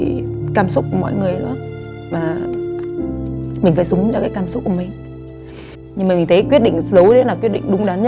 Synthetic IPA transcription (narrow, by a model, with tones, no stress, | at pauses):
kaː˧msʊ˦˥k͡p̚ku˧˩mɔ̰˧˨jŋɨ˨˩əjɗɔ˨˦ | vaː˨˩ | mi̟˨˩faː˧˩jsʊ˨˦ŋ͡mt͡ɕɔ˧kaː˨˦jkaː˧msʊ˦˥k͡p̚ku˧˩ə˩mï˨˩ŋ̟ | ɲɨ˧maː˨˩mi˨˩ŋt̪ʰe˨˦kwi˦˥ət̚ɗḭ˧˨ŋzə˨˦wɗə˨˦laː˨˩kwi˦˥ət̚ɗḭ˧˨ŋ̟ɗʊ˨˧ŋ͡mɗaː˨˦n˦